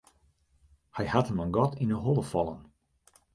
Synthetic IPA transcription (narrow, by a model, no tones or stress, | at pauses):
hajhatəmənɡɔtʰinəɦɔlˠəfɔlˠə̰n